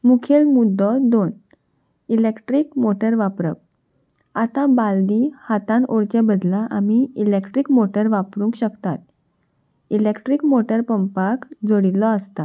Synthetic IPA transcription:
mukʰelmud̪ʱːɔd̪on | ilekʈɾiːkmoʈəɾʋapɾə̰p̚ | at̪ãbald̪ihat̪ãnoɽt͡ɕebəd̪laʔamiilekʈɾiːkmoʈəɾʋapɾũŋkɕəkt̪at̪̚ | ilekʈɾiːkmoʈəɾpəmpakd͡zoɽilːɔəst̪a̰

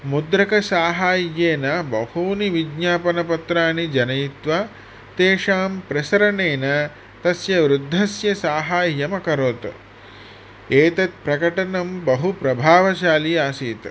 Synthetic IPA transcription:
mud̪ɾɐkɐsaːɦaːjːeːnɐbɐhuːniʋiɡɲaːpɐnɐpɐt̪ɾaːnid͡ʒɐnɐjit̪ʋa | t̪eːʂaːmpɾɐsɐɾɐneːnɐ | t̪ɐsjɐʋɾud̪ʱːɐsjɐsaːɦaːjjɐmɐkɐɾoːt̪ɐ̰ | eːt̪ɐt̪̚pɾɐkɐʈɐnɐmbɐɦupɾɐbʱaːʋɐt͡ʃaːliaːsiːt̪

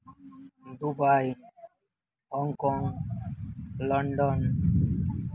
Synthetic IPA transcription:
d̪ubaj | hɔŋkɔŋ | lɔɳɖɔn

